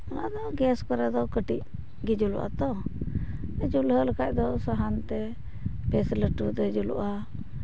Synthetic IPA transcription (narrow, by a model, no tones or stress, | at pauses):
ɔnad̪ɔɡɛskɔɾɛd̪ɔkəʈic̚ | ɡid͡ʒulṵʔa̰t̪ɔ | ɛd͡ʒulɦəlkac̚ˀd̪ɔsaɦant̪ɛ | pɛsləʈut̪ɛd͡ʒulṵʔa